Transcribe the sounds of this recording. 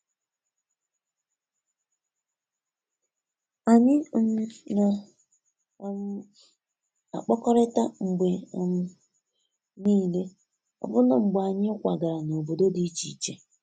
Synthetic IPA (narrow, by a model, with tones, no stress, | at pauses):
a˨ɲɪ˦m˦na˨˦ | a̰˨k͡pɔ˦kɔ˦ɾɪ˦ta˦ŋ͡m̩˨ɡ͡be˨m̩˦ | niː˦˨le˦ | ɔ̰˨bʊ˦na˨ŋ͡m̩˨ɡ͡ba˨ɲɪ˦kʷa˨ɡa˨ɾa˨no˨bo˨do˦di˦i˦t͡ʃi˨t͡ʃe˦